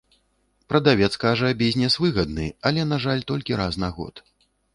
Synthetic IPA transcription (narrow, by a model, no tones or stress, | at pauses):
pɾɐd̪avʲɛt̪skaʐɐbʲizʲnʲɛsvɨɣɐd̪nɨ̰ɐlʲɛnaʐalʲt̪ɔlʲkʲiɾasnaɣɔ̰t̪